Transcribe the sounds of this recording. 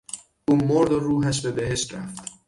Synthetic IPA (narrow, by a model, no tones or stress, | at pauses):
ʔuːmoɾd̪oruːɦæʃ̬bebeɦe̞ʃt̪ɾæ̰ft̪